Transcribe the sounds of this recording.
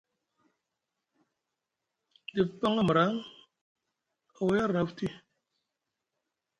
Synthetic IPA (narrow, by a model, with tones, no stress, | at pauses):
di˨pːa˦ŋa˦m˨ɾa˨˦ŋ | a˨wja˦ɾna˨˦fti˦